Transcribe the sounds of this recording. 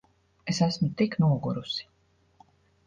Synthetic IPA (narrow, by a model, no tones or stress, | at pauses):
esæsmut̪iknuɔɡuɾusi̥